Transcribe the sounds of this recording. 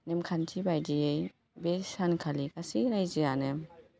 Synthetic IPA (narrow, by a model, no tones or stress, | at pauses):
nemkʰantʰibajdiej | besankʰalikasiɾajzianɯm